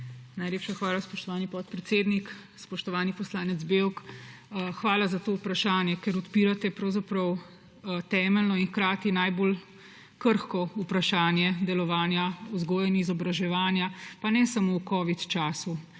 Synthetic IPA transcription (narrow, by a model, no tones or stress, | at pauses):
najleːpʃaxʋaːlaspɔʃt̪ɔʋaːnipɔt̪̚pɾɛt̪seːd̪nik | spɔʃt̪ɔʋaːnipɔslaːnɛt̪zbewk | xʋaːlazat̪oːupɾaʃaːnjɛkɛɾɔt̪piːɾat̪ɛpɾɔwzapɾɐw | t̪ɛːmɛlnɔinxkɾaːt̪inajboːl | kəɾxkɔupɾaʃaːnjɛd̪ɛlɔʋaːnjauzɡoːjɛnizɔbɾaʒɛʋaːnjapanɛsamowkɔːʋit̪t͡ʃaːsu